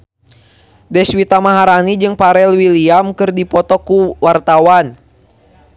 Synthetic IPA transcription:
dɛswit̪amaɦaɾanid͡ʒɨŋpaɾɛlwiliamkɨrdipɔt̪ɔkuwart̪awan

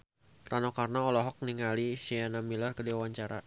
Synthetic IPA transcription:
ranɔkarnaɔlɔɦɔk̚niŋalisianamilarkədewaɲt͡ʃaɾa

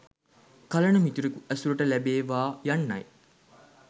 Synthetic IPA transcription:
kɐlɐnumit̪uɾekuʔæsulɐʈəlæbeːʋaːjɐnːɐ̰j

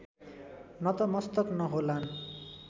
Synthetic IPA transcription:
nʌt̪ʌmʌst̪ʌknʌɦolan

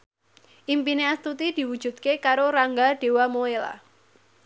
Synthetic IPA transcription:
ʔimpineast̪ut̪id̪̥i̤wud̥ʒ̥ṳt̪̚kekaɾoɾaŋɡaɖ̥e̤wamoela̰

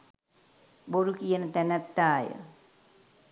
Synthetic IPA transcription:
boɾukijɐnət̪ɛnɐt̪ːaːjə̰

